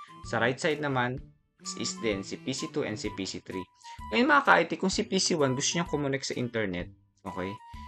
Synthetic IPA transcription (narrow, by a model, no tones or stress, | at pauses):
sɐɾajt̪̚sajd̪̚nɐman | sʔḭsd̪ɛnsipisit̪uʔɛ̰nd̪sipisit̪ɾiŋjɪnmɐŋaka̰ʔajt̪ikʊŋsipisiwanɡʊst̪ʊɲaŋkomʊnɛksɐʔḭnt̪ɛɹnɛt̪̚ | ʔoːkɛj